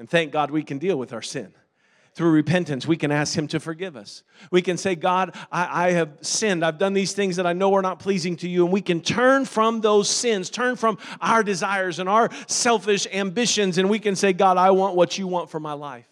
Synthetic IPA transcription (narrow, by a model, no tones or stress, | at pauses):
ɨ̃nθæ̃ŋk̚ɡ̥ɑd̚wikɨ̃ndilˠwəðaʊə˞sɪ̰̃n | θɹʉɹɨpʰɛ̃ntɨ̃nswikɨ̃næsk̚hɨ̃mtʰɨfə˞ɡɪvʌ̰s | wikɨ̃nseɪɡɑɾʔaɪʔaɪɨv̥sɪ̃ndaɪvdʌ̃nðiz̥θɪ̃ŋzðɨɾaɪnoʊə˞nət̚pʰl̥izɪ̃ŋtʰɨjɨə̃nwikɨ̃ntʰɜ̃˞nfɹʌ̃mðoʊz̥sɪ̃nz̥tʰɜ̃˞nfɹʌ̃maʊə˞dɨzaɪə˞zɨ̃naʊə˞sɛlˠfɪʃæ̃mbɪʃɨ̃nzɨ̃nwikɨ̃nseɪɡɑɾaɪwɑ̃nʔwʌt͡ʃɨwɑ̃ntfə˞maɪlaɪf